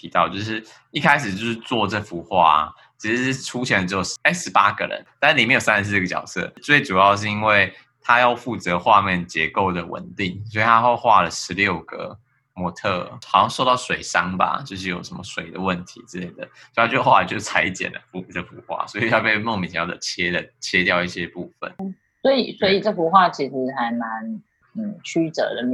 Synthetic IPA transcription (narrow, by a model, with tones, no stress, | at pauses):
t̪ʰi˧t̪ɑ˥˩ʊt͡ɕjo˥˧ʊʂɻ̩˥˩ | i˥˩kʰa˥ɪʂ̬ɻ̩˨˩t͡ɕjo˥˧ʊʂɻ̩˥˧t͡swɔ˥˧ʈ͡ʂɤ˥˩fu˧˥xwa̰˥˧ | t͡ɕʰi˧˥ʂ̩˧˥˩ʈ͡ʂʰu˥t͡ɕʰjɛ˧˥ndə˧˩ɻ̩˧˥˩jo˨˩ʊe˥ɪʂɻ̩˧˥pa˥ɡə̰˨ɻə̰˧˦nt̪a˥˧n̩˥˩i˨˩me˧˥jo˨˩sa˥˧n˧˩s̩˥˧ə˥ɡə˩t͡ɕjɑ̰˨˩ʊsɤ̰˥˩t͡swe˥˩ɪʈ͡ʂu˨˩jɑ˥˧ʊʂ̬̩˥˧i˥nwe˥˩ɪ | t̪ʰa˥jɑ˥˧ʊfu˥˩t͡sɤ˧˦xwa˥˧mjɛ˥˩nt͡ɕjɛ˧˥ko˥˩ʊd̪ə˩wə̰˨˩nt̪i˥˩ŋswɔ˧˥i˨˩t̪ʰa˥xo˥˧xwa˥˩lə˩ʂɻ̩˧˥ljo˥˩ʊɡə̰˩ | mwɔ˧˥t̪ʰɤ˥˧xʊjɑ˥˧ŋʂo˥˧ʊt̪ɑ˥˩ʊswe˨˩ɪʂɑ˥ŋba̰˨t͡ɕjo˥˧ʊʂ̬ɻ̩˥˩jo˨˩ʊʂə˧˦nmə˧swe˨˩ɪd̪ə̰˩wə˥˨˩nt̪ʰḭ˧˥t͡sɹ̩˥˧le˥˩ɪd̪ə˩o˥˧˥t͡ɕo˥˧xwa̰˥˧˨t͡ɕo˥˩˥t͡sʰa˧˥ɪt͡ɕjɛ̰˨˩nd̪ə̰˦fu˧˥˩ʈ͡ʂɤ˥˩fṵ˧˥xwa̰˥˩swɔ˧˥i˨˩jɑ˥˧ʊpe˥˧ɪmo˥˩ŋmi˨˩ɕjɑ˥ʊd̪ə̰˩t͡ɕʰjɛ˥d̪ə˨t͡ɕʰjɛ˥t̪jɑ˥˧ʊi˥˩ɕjɛ˦pu˥˩fə̰˨˩n̩˥ | swɔ˧˥i˨˩swɔ˧˥i˨ʈ͡ʂɤ˥˩fu˧˥xwa˥˩t͡ɕʰi˧˥ʂɻ̩˧˥xa˧˥ɪma˧˦n | n̩˥˨˩t͡ɕʰy˥t͡sə̰˧˥d̪ə˨˧